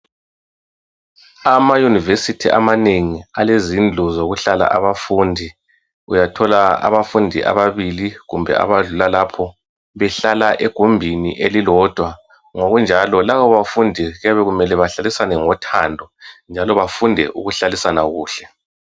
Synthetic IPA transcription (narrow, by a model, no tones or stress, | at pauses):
amajunivesitʰiʔa̰maneŋialezind͡ɮʱɔzoɣuɬala̰ʔaβafuːndʱi | ujatʰɔlaa̰βafundʱiʔa̰βaβiliɣumbʱɛ̰a̰βaɮulalapʰɔ | βɛɬalaʔɛɡ̥ʱumbʱinḭʔelilɔd̥ʱwa | ŋoɣund͡ʒʱalɔlaβɔβafundʱiɣaβɛɣumɛlɛβaɬalisanɛŋɔtʰandʱɔnd͡ʒʱalɔβafundʱɛ̰ʔṵɣuɬalisanaɣuːɬɛ